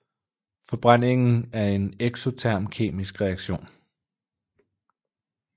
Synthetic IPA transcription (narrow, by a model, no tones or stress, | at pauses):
fɒ̽b̥ʁan̰e̝ŋn̩æɐe̝neɡ̥so̝t͡sʰæɐ̰mkʰe̝̰ːmisɡ̥ʁɛɑ̈ɡ̥ɕo̝̰ːn